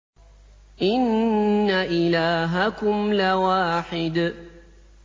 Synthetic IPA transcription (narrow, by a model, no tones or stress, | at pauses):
ʔɪnːaʔɪlaːɦakʊmlawaːħɪd̪